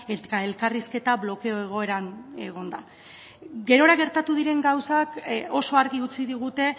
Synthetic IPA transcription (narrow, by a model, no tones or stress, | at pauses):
et̪ae̞lkariske̞t̪aβlo̞ke̞o̞e̞ɣ̞o̞e̞ɾane̞ɣo̞nd̪a | ɡe̞ɾo̞ɾaɣe̞ɾt̪at̪uð̞iɾe̞ŋɡawsako̞so̞aɾɣiut͡siðiɣ̞ut̪e̞